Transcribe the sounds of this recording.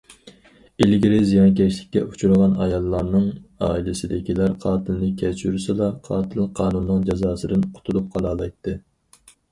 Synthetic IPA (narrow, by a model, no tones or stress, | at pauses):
ilɡʲiɾɪzijɑnkʲʰɛʃlɪkʲːɛ̰ut͡ʃʰuɾʁɑnɑ̰jɑlˠːɑɾnɨŋɑ̰ːilɪsɪd̪ɪkʲilæɾqʰɑːt̪ʰɨlnɨkʲʰɛt͡ʃʰyɾsɨlˠɑqʰɑːt̪ʰɨlˠqʰɑːnunːɨŋd͡ʒɑzɑːsɨd̪ɨnqʰʊ̥t̪ʰulˠup̚qʰɑlˠɑːlˠɑjt̪ʰːɨ